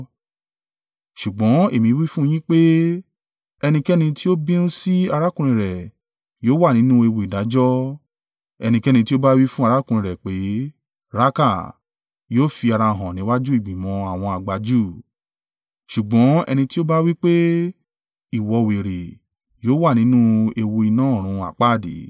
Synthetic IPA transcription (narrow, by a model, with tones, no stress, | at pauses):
ʃu˨ɡ͡bɔ̃˨˦e˦˨mĩ˧˦wi˦fũ˦˧j̃ĩ˦k͡pe˦ | ɛ˧nĩ˧kɛ˦nĩ˧ti˦o˦bĩ˦nũ˦si˦a˧ɾa˦kũ˦ɾ̃ĩ˨ɾɛ˨ | joː˦wa˦˨nĩ˨˦nũ˦e˧wo˨i˨da˨˦d͡ʒɔ˦ | ɛ̰˧nĩ˧kɛ˦nĩ˧ti˦o˦ba˦wi˦fũ˦a˦˧ɾa˨˦kũ˦˧ɾĩ˨ɾɛ˨k͡pe˨˦ | ɾa˦ka˦˨ | joː˦fi˧a˧ɾa˧˨ɦɔ̃˨nĩ˨˦wa˦d͡ʒu˦i˦˨ɡ͡bĩ˨mɔ̃˨˧a˨w̃ɔ̃˧a˨ɡ͡ba˧d͡ʒu˦˨ | ʃu˨ɡ͡bɔ̃˨˦ɛ̰˧nĩ˧ti˦o˦ba˦wi˦k͡pe˦ | i˨wɔ˧we˨ɾe˨ | joː˦wa˦˨nĩ˨˦nũ˦e˧wo˧i˧nãː˨˦˨ɾ̃ũ˧a̰˨k͡pa˦˨dḛ˨˦